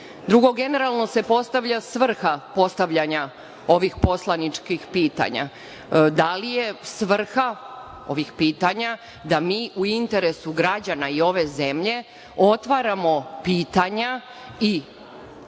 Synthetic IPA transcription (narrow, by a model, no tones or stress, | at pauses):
d̪ɾuɡo̞ɡe̞ne̞ɾalˠno̞se̞po̞st̪aʋʎasʋr̩xapo̞st̪aʋʎaɲa | o̞ʋixpo̞slˠanit͡ʃkixpiːt̪a̰ɲa̰ | d̪alije̞sʋr̩xa | o̞̰ʋixpiːt̪aɲa | d̪amiːʔuint̪e̞ɾe̞suɡɾad͡ʑanaio̞ʋe̞ze̞mʎe̞ | o̞t̪ʋaɾamo̞piːt̪aɲa | i